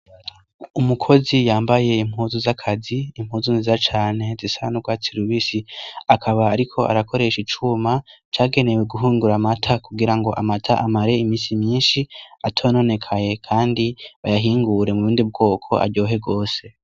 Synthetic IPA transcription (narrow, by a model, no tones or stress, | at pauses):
umukʰo̞zijaːmbaje̞im̥huːzuzakʰaziimhuːzunzizat͡ʃaːne̞zisanuɡwaːt͡siɾuβisiakʰaβaːɾikʰo̞a̰ɾakʰo̞ɾe̞ʃit͡ʃumat͡ʃaːɡe̞ne̞we̞ɡuɦuːŋɡuɾamatʰakuɡiɾaŋɡo̞ʔamatʰa̰ʔamaɾe̞imiːsimɲiːnʃiatʰoːno̞ne̞kʰaje̞kʰaːndiβajaɦiːŋɡuɾe̞muβuːndib̚ɡo̞ːkʰo̞̰ʔa̰ɾɟo̞ːɦe̞ɡo̞ːse̞